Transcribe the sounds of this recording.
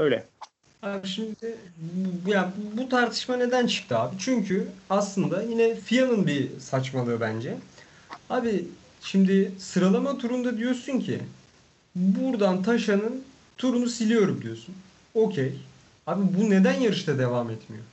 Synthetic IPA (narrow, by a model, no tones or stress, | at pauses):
øjlʲɛ | haːbiʃimd̪ɪ | jabut̪ʰaɾt̪ʰɯ̥ʃmane̞d̪ænt͡ʃʰɯ̥k̚t̪ɯaːbit͡ʃʰyɲcʰyaslˠɯnd̪ajinɛfijanˠɯnbisat͡ʃmalˠɯbænd͡ʒɛ | haːbi | ʃimd̪ɪsɯɾalˠamat̪ʰuɾund̪ad̪ijo̞suɲcʰḭ | buɾd̪ant̪ʰaʃanɯn | t̪ʰuɾunusilʲijo̞ɾumd̪ijo̞sun | o̞cʰej | haːbibune̞d̪ænjaɾɯʃt̪ʰad̪e̞vaːmɛt̪mijo